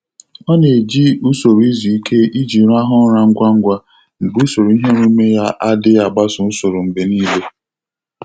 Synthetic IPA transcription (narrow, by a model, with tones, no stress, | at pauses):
ɔ˦ne˨d͡ʒi˦u˦so˨ɾi˦zi˨i˦kʰe˦i˦d͡ʒi˨˦ɾa˦ɦʊ˦ɾa˨ŋ̩˦ɡʷa˦ŋ̩˦ɡʷa˦ | ŋ͡m̩˨ɡ͡bu˦so˨ɾu˨˦i˦ɦe˦ɾu˦me˦ja˦ʔa˦dɪ˦a˨ɡ͡ba˦sʊ˨n̩˦so˨ɾʊ˨m̩˨be˨niː˦le˦